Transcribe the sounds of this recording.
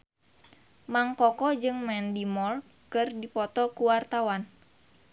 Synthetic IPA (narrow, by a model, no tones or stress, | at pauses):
maŋkɔkɔd͡ʒɨŋmɛndimɔr | kɨrdipɔt̪ɔkuwart̪awan